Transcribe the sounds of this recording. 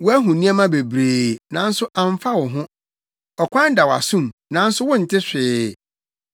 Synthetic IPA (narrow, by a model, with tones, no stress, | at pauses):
wɔ˦æ˦ɦũ˨nĩ˦a˦mã˦be˨bɾeː˨nã˨˦n̩˦sʊ˦ʔã˨ɱ˦fa˦wɔ˨ɦʊ̃˦ | ɔ˨kʷã˦n˦da˨wa̰˨sũ˦mnã˨˦n̩˦sʊ˦wʊ̃˦n̩˨tʰɪ˦ɕᶣɪː˨˦